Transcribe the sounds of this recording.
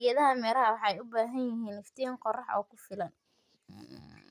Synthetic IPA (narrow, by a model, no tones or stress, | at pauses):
jɐðɐɦɐmɛːlɐhɐwɑħɑjʊbaːɦɐnjɪɦiːnlɪft̪ʰɪjɐŋqɔrɑħɔ̰ːkʰʊfɪlɐn